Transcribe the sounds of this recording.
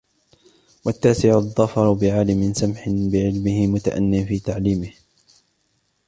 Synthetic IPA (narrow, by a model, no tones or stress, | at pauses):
wat̪ːaːsɪʕʊðˤːɑfɑɾˤʊbɪʕaːlɪmɪnsamħɪnbɪʕɪlmɪhɪmʊt̪a̰ʔa̰nːɪfiːt̪aʕliːmɪh